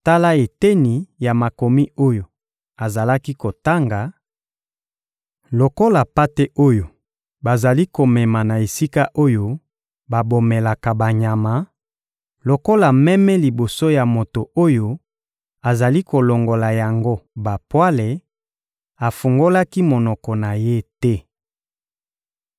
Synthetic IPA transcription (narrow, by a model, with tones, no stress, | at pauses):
ta˦la˦e˨te˦ni˨ja˨ma˨ko˨mi˦o˦jo˨ | a˨za˨la˦ki˦ko˨ta˦ŋɡa˨ | lo˨ko˦la˨pa˦te˦ʔo˦jo˨ | ba˨za˨li˦ko˨mɛ˨ma˨na˨e˨si˦ka˦ʔo˦jo˦ | ba˨bo˨me˨la˨ka˨ba˨ɲa˨ma˨ | lo˨ko˦la˨mɛ˦mɛ˦li˨bo˨so˦ja˨mo˨to˨o˦jo˦ | a˨za˨li˦ko˨lo˨ŋɡo˨la˨ja˨ŋɡo˦ba˨pwa˦le˨ | a˨fu˨ŋɡo˦la˦ki˦mo˨nɔ˨kɔ˨na˨je˦tɛ˦